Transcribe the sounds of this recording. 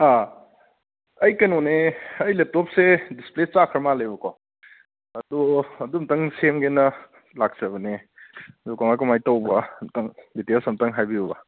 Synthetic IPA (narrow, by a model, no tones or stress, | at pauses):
a | ɐjkɐnoneɐjlep̚tɔp̚sedisplet͡ʃakʰɾmalɐjbɐkɔ | ɐduɐdumtɐŋsemɡenɐ | lak̚sɐβɐne | dukaŋajkɔmajtɐwbɐmtɐŋditelsɐmtɐŋɦajbiubɐ